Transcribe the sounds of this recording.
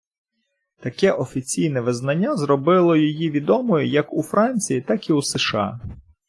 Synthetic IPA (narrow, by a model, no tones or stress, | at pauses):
t̪ɐkɛʔɔfʲit͡sʲijnɛʋɪznɐnʲːazɾɔbɪlˠɔjɔjiʋʲid̪ɔmɔjʊjɐkufɾɑnʲt͡sʲijit̪ɑkiuseʃɑ̰